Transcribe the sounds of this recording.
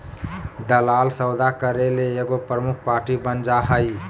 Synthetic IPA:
d̪əlaːlsəwd̪akəɾeleːɡopɾəmukʰpaːɾʈibənd͡ʒaɦəj

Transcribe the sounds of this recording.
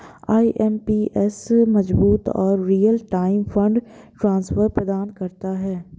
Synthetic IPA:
aːiʔɛmpiːʔɛsmɐzbuːt̪ɔːɾːiːəlʈaːɪmfʰə̃ɳɖ | ʈɾãːnsfəɾpɾəd̪aːnkɐɾt̪aɦɛː

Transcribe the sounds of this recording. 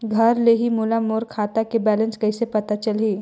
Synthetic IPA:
ɡʱəɾleɦimulamoːɾkʰaːt̪akebɛlə̃nskɐsepɐt̪at͡ʃəlɦiː

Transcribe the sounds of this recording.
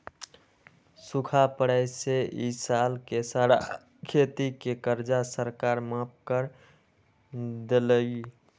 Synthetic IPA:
sukʰapəɽəɪseʔisalkesəɾa | kʰet̪ikekəɾd͡ʒasəɾkaɾmap̚kəɾ | d̪eləɡi

